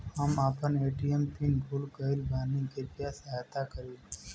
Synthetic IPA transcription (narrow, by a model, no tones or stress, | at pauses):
həmaːpəneːʈijəmpinɡʱulkəɪlbʱaːnikepjaːst̪akəɾiː